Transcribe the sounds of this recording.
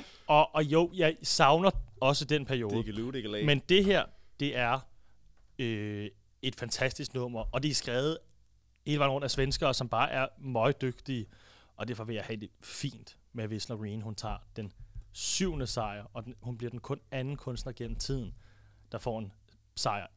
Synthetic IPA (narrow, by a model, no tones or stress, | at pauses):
ɒ̽ʔːjo̝jɑ̈ɪsɑ̈ʊnɐɒ̽səd̥enpʰæɐijo̝ːð̩ˠmend̥e̝ɦeɐ̰d̥e̝ʔæɐ | ø | e̝d̥fænt͡sʰæsd̥isɡ̥nɔ̽m̰ɐʔɒ̽d̥e̝æsɡ̥ʁɛːʊð̩ˠ | heːləʋɑ̈ɪnʁɔ̽n̰d̥æsʋensɡ̥ɐːsɒ̽mb̥ɑ̈ːʔæɐmɒ̽ɪd̥øɡ̥̚d̥iə | ʔɒ̽d̥æɐfɒ̽ʋe̝jɑ̈ɪhɛd̥e̝fḭːnd̥ | meʋe̝slɒʁiːnhunt͡sʰɑ̰̈ːd̥ensyʊ̰nəsɑ̈ɪɐɒ̽hunb̥liɐ̥enkʰɔ̽nænn̩kʰɔ̽nsd̥nɐɡ̥en̰m̩t͡sʰið̰ˠn̩ | d̥ɑ̈fɒ̰ːen | sɑ̈ɪɐ